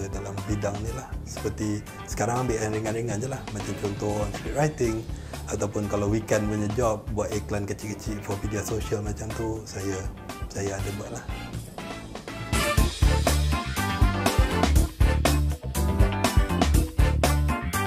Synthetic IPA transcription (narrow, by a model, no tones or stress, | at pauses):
dalambidaŋnilahsə̥pərt̪i | sə̥kaɾaŋambɪʔanɾiŋanɾiŋand͡ʒulahmat͡ʃamt͡ʃɔnt̪ɔnsɾit̪̚rajt̪ɪŋ | at̪awpʊnkalawwikɛnpuɲəd͡ʒɔp̚buat̪iklankət͡ʃiʔkət͡ʃiʔfɔrmidiasoʃialmat͡ʃamt̪usaja | sajaːdabuaʔlah